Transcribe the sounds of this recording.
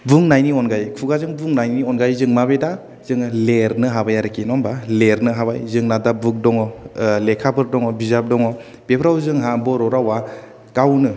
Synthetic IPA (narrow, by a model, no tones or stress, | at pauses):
bɯŋnajniɔnɡajkʰuɡazɯŋbuŋnajniɔnɡajzɯŋmabeda | zɯŋleɾnɯɦabajaɾɯkʰinɔmbaleɾnɯɦabajzɯŋnadabɯk̚dɔŋɔlekʰabɯɾdɔŋɔbizap̚dɔŋɔ | b̥epʰɾawzɯŋɦabɔɾɔɾawa | kawnɯ